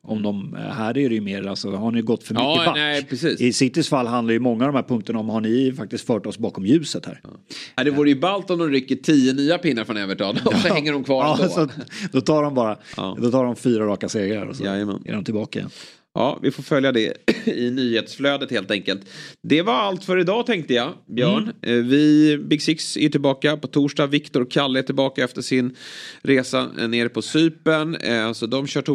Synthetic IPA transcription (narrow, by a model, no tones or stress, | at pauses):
ɔmd̪ɔmɦæːɾæɖɛjɵmeːɾalsɔhaɳɪjɡɔt̪ːfœɾmʏkːəanɛpʰɾɛsiːsɪsɪt̪ːɪsfalːɦand̪aɾjəmɔŋːaɔvd̪ɔmhæːɾpʰɵŋk̚t̪əɳaɔmhaɳɪfak̚t̪ɪst̪fœːʈɔsbɑːkɔmjʉ̟ːsət̪hæ̰ːɾ | d̪ɛvuːɾəjəbalt̪ɔnd̪ɔmɾʏkːəʈʰiːənyːapɪnːaɾfɾɔnøːvəʈʰɑːd̪ɔsɔhɛŋːəɖɔmkʰvɑːɾɑːsɔt̪d̪̥ɔt̪ʰɑːɖɔmbɑːɾa̰d̪ɔt̪ʰɑːɖɔmfyːɾaɾɑːkaseːɡɾa̰ɾɔ̰sɔɛ̰nɛ̰ɖɔmt̪ʰɪlbɑːkaɪ̰jɛ̰n | ɑ̰ːvɪfofœljad̪ɛ̰ɪnyːheːt̪sfløːd̪ət̪heːlt̪ɛŋkəlt̪d̪ɛvaɾalt̪fœɾɪd̪ɑːt̪ʰɛŋk̚t̪əjabjœːɳvɪbɪɡsɪksæ̰jʈɪlbɑːkapɔt̪ʰuːʂɖɑːvɪkt̪ʊɾɔkʰːalːəʈʰɪlbɑːkaɛft̪əʂɪnɾeːsa̰neːɾpʰɔsyːpəɳsɔd̪ɔmɕœːʈʰu